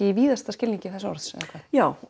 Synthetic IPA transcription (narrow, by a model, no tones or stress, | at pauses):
ɪiviːðast̪ascɪliɲcɪθɛsaɔ̰ɾðsɛ̰ðakvaːðjaːw